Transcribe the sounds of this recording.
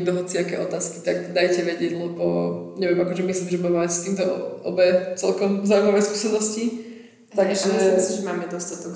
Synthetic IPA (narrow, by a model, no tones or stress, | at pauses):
t̪ɔɦɔt͡sɪakɛ̰ʔɔt̪aːski̥t̪akd̪ajcɛʋɛɟɪɛɟlɛbɔɲɛʋɛmakɔʒɛmisliːmʒɛbamaast̪iːmt̪ɔʔɔ̰bɛt͡sɛlkɔmzaːuimaʋɛjskuːsɛnɔsci | t̪aɡʒɛmislimʒɛmaːmɛd̪ɔst̪at̪ɔk